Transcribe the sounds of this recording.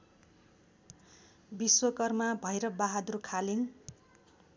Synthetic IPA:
biswʌkʌrmabʱʌjɾʌbaɦad̪uɾukʰalin

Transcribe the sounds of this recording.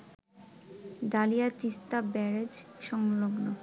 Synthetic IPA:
ɖalijat̪ist̪abɛɾed͡ʑʃɔŋloɡno

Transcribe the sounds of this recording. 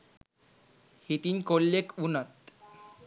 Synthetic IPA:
hit̪inkolːekunət̪

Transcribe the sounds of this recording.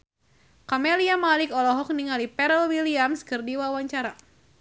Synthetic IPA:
kameliamalɪkɔlɔɦɔk̚niŋalipɛɾɔlwiliamskɨrdiwawaɲt͡ʃaɾa

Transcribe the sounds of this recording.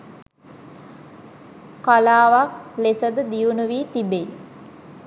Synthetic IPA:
kalaːʋak̚lesəd̪əd̪iunuʋiːt̪ibej

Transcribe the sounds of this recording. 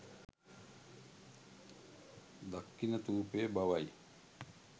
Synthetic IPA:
d̪akːinət̪uːpeːbaʋaj

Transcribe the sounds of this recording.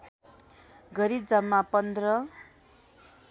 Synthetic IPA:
ɡʌɾid͡zʌmːapʌnd̪rʌ

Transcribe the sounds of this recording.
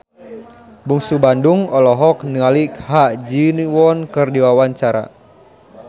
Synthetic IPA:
buŋsubanduŋɔlɔɦɔknialikhad͡ʒiniwɔnkɨrdiwawaɲt͡ʃaɾa̰

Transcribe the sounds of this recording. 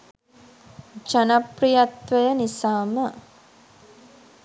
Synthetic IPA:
d͡ʒanaprijat̪ʋəjənisaːmə

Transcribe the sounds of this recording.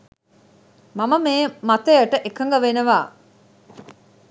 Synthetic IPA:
maməmeːmat̪əjəʈəʔekəŋɡəʋenəʋaː

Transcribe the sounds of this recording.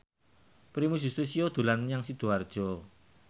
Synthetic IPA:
pɾimud͡ʒ̥ust̪usiod̪̥ṳlanɲaŋsid̪̥o̤ard̥ʒ̥ɔ

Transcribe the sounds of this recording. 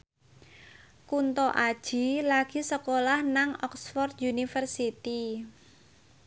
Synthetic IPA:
kunt̪ɔʔad̥ʒ̥i̤laɡ̥i̤səkolahnaŋɔksfɔrt̪junifərsit̪i

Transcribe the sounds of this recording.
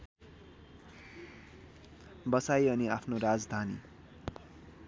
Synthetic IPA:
bʌsajʌniapʰnoɾad͡zd̪ʱanḭ

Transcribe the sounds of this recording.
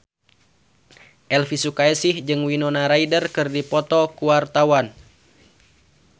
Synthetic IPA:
ʔɛlfisukaɛsihd͡ʒɨŋwinɔnaɾaidərkɨrdipɔt̪ɔkuwart̪awan

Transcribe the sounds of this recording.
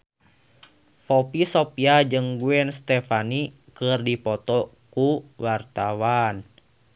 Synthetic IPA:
pɔpisopiad͡ʒɨŋɡuɛnst̪ɛfanikərdipɔt̪ɔkuwart̪awan

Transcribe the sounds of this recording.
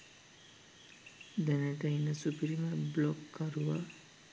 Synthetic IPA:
d̪ɛnəʈəinəsupɾiməblɔkːəɾuʋa

